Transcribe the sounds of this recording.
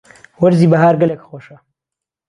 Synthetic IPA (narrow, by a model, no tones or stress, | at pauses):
wɐɾzibɐɦaːɾɡɐlekxoʃa